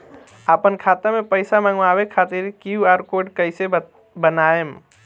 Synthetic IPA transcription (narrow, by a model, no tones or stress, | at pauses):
apənkʰat̪amẽpəɪsamãŋɡʋawekʰat̪iɾkuaːɾkoɖkəɪse | bənaem